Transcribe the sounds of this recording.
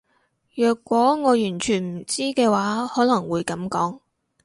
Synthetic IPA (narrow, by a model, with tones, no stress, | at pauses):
jœː˨˩kːwɔː˨˥ŋɔː˨˧jyː˨˩nt͡ʃʰyː˨˩nm̩˨˩t͡siː˥kɛː˧waː˨˥hɔː˨˥lɐ˨˩ŋwuː˨˧jkɐ˨˥mkɔː˨˥ŋ